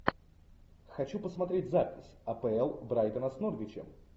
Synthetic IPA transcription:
xɐt͡ɕupəsmɐt̪ɾʲetʲzapʲɪsʲɐpɛɛlˠbɾajt̪ənəsnorvʲɪt͡ɕɪ̰m

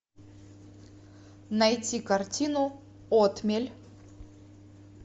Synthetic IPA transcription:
nɐjtʲikɐrtʲinʊ | ot̪mʲelʲ

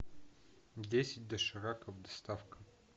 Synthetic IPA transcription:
dʲesʲɪt̚ʲd̪ɐʂɐɾakəvd̪ɐst̪afkə

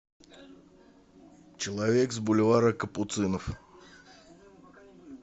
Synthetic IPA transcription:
t͡ɕɪlˠɐvʲekzbʊlʲvaɾəkəpʊt̪sɨnəf

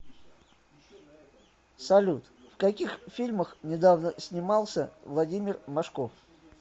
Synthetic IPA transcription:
sɐlʲut̪fkɐkʲixfʲilʲməxnʲɪd̪avnəsʲnʲɪmɑlˠsʲəvlˠɐdʲimʲɪrmɐʂkof

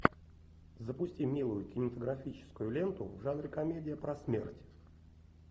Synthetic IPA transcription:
zəpʊsʲtʲimʲilˠʊjʊkʲɪnʲɪmət̪əɡɾɐfʲit͡ɕɪ̥skʊjʊlʲe̞nt̪ʊ̰vʐanɾʲɪkɐmʲedʲɪjəpɾɐsmʲḛrtʲ

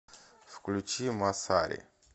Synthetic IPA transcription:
fklut͡ʃimasa̰ɾḛ

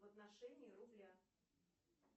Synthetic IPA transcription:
vət̪naʂɛnʲɪɪrʊblʲa

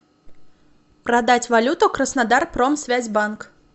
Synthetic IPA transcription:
pɾɐd̪at͡sʲvalʲut̪ʊkɾəsnad̪arpɾɔmsʲvʲæzʲbank

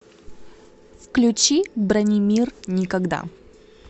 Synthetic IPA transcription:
fklʲʉt͡ɕibɾanʲimʲirnʲɪkɐɡd̪a̰

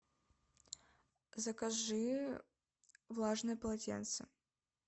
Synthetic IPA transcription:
zɐkaʐɨ | vlˠaʐnɨjɐpɐlˠatʲɛ̰nt̪sɨ̰

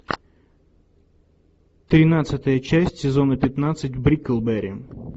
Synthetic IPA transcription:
t̪ɾʲɪnat̪sɨt̪əjət͡ɕæsʲtʲsʲɪzo̞nəpʲɪt̪nat̪sɨtʲvbɾʲikəlˠbɛɾʲɪ

